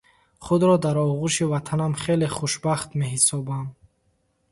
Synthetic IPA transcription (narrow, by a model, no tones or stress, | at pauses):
χud̪ɾɔd̪aɾɔʁuʃivat̪ʰanamχeleχuʃbaχt̪meɦisɔbam